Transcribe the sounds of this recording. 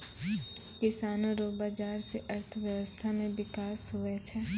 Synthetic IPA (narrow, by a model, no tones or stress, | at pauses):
kɪsaːnõɾoːbaːd͡ʒaːɾseʔəɾt̪ʰəʋjəʋəst̪ʰamẽʋɪkaːsɦʊet͡ʃʰɛ